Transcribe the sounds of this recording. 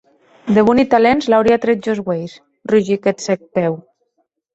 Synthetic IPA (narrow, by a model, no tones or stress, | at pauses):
d̪eβunit̪alenzlawɾiat̪ɾet̪d͡ʒozɣwejs | ruʒiket̪sek̚pɛw